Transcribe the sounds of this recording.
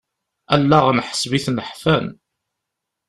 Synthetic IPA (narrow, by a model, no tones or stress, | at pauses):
ælːæʁnħə̥sbiθnəħfæn